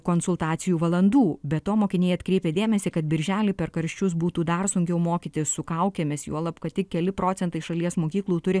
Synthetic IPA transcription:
koːnsʊlˠt̪ɑːt̪sʲɪjuːʋɐlˠɐnd̪uːbʲɛt̪toːmoːkʲɪnʲeːjɐt̪kɾʲeːpʲeːd̪ʲeːmʲɛsʲikɐt̪bʲɪɾʲʒʲæːlʲiːpʲɛɾkɐɾʲʃʲt͡ʃʲʊs̬buːt̪uːd̪ɐrsʊŋʲɡʲɛʊmoːkʲit̪ʲɪssʊkɐʊkʲɛmʲeːsjṵɔlˠɐpkɐt̪ʲɪkʲkʲɛlʲɪpɾoːt͡s̪ʲɛnt̪ɐɪʃɐlʲiɛsmoːkʲiːklˠuːt̪ʊɾʲɪ

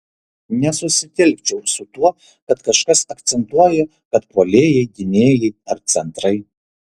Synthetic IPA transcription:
nʲɛsʊsʲɪt̪ʲɛlʲk̚ʲt͡ʃʲɛʊsʊt̪uɔ | kɐt̪kɐʃkɐsɐkt̪sʲɛnt̪uɔjɛ | kɐt̪poːlʲeːjɛɪɡ̪ʲɪnʲeːjɛɪɐɾt̪sʲɛnt̪ɾɐɪ

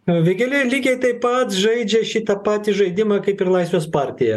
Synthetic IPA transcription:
ʋʲeɡʲɛlʲelʲiːɡʲɛɪt̪ɐɪpɐt̪ʒɐɪd͡ʒʲɛʃʲit̪ɐpɑːt̪ʲiʒɐɪd̪ʲɪmɐːkɐɪpɪrlˠɐɪsʲʋʲeːspɑːɾʲt̪ʲɪjɛ

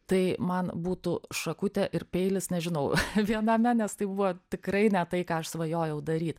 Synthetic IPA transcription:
t̪ɐɪmɐnbuːt̪uʃɐkʊt̪ʲɛʔɪrpʲɛɪlʲɪsnʲɛʒʲɪnɐʊʋʲiɛnɐmʲɛnʲɛst̪ɐɪbuʋoːt̪ʲɪkrɐɪnʲɛt̪ɐɪkɑːɐʃsʋɐjoːjɛʊd̪ɐɾʲiːt̪

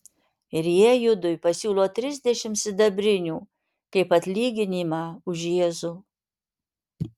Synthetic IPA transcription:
ɪɾjiɛjʊd̪ʊjpɐsʲuːlˠoːt̪ʲɾʲɪzʲd̪ʲɛʃʲɪmsʲɪd̪ɐbʲɾʲɪnʲuː | kɐɪpɐt̪ʲlʲiːɡʲɪnʲiːmɑːʊʒjiɛzʊ

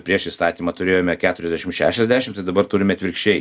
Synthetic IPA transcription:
pʲɾʲiɛʃɪst̪ɑːt̪ʲiːmɑːt̪ʊɾʲeːjoːmʲɛkʲæːt̪ʊɾʲɛzd̪ʲæʃʲɪmʃʲæ̰ːʃʲɛzʲd̪ʲæːʃʲɪmt̪ɐɪd̪ɐbɐrt̪uːɾʲɪmʲɛɐt̪ʋʲɪɾʲkʃʲt͡ʃʲɛɪ

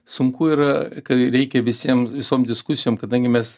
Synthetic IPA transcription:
sʊŋkuiːɾɐkɐɾʲɛɪkʲɛʋʲɪsʲiɛmʋʲɪsoːmd̪ʲɪskʊsʲɪjoːmkɐd̪ɐŋʲɡʲɪmʲɛs

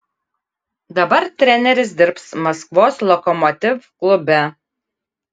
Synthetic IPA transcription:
d̪ɐbɐɾt̪ʲɾʲɛnʲɛɾʲɪs̬d̪ʲɪɾpsmɐskʋoːslˠɔkɔmɔt̪ʲɪfklˠʊbʲɛ

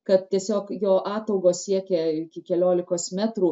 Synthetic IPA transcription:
kɐt̪̚tʲiɛsʲoːkjoːʔɑːt̪ɐʊɡoːssʲiɛkʲɛːɪkʲɪkʲɛlʲoːlʲɪkoːsmʲæːt̪ɾuː

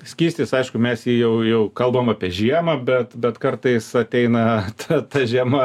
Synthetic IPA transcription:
sʲkʲiːsʲt̪ʲɪsɐɪʃkʊmʲɛsjiːjɛʊjɛʊkɐlˠbomɐpʲiɛʒʲiɛmɐbʲɛt̪bʲɛt̪kɐrt̪ɐɪsɐt̪ʲɛɪnɐt̪ʰɐt̪ɐʒʲiɛmɐ

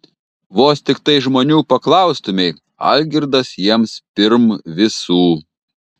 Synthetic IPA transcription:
ʋoːst̪ʲɪkt̪ɐɪʒmoːnʲuːpɐklˠɐˑʊst̪ʊmʲɛɪ | ɐ̰lʲɡʲɪɾd̪ɐsjiɛmspʲɪɾmʋʲɪsuː

